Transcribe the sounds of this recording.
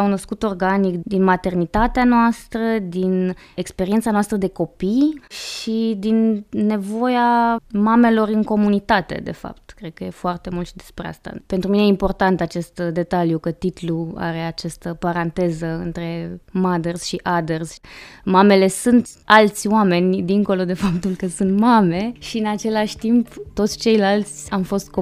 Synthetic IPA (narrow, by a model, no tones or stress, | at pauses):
awno̞skut̪o̞rɡanikd̪inmat̪e̞rnit̪at̪eanoast̪ɾəd̪in | ekspe̞ɾient̪sanoast̪ɾəd̪e̞ko̞pijʃid̪inːe̞vo̞jamame̞lo̞rɨŋko̞munit̪at̪e̞̰d̪e̞̰fa̰pt̪kɾe̞d̪̚kəje̞foart̪e̞mult̪ʃid̪e̞spɾḛa̰st̪a̰pe̞nt̪ɾuminejeimpo̞rt̪ant̪at͡ʃe̞st̪d̪e̞t̪aljukət̪it̪lua̰ɾe̞at͡ʃast̪əpaɾant̪e̞zəɨnt̪ɾe̞mad̪erz̥ʃiʔad̪ersmame̞le̞sunt̪alt̪sʲwame̞nʲd̪iŋko̞lo̞d̪e̞fap̚t̪ulkəsunt̪mame̞ʃiɨnat͡ʃe̞laʃʲt̪impt̪o̞t̪sʲt͡ʃe̞jlalt̪sʲamfo̞st̪̚ko